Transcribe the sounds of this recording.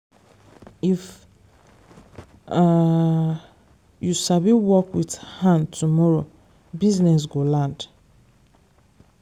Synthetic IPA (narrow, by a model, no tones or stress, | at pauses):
if | jusabiwɔkwithãntʰumɔɹo | biznɛs̬ɡolãnd̥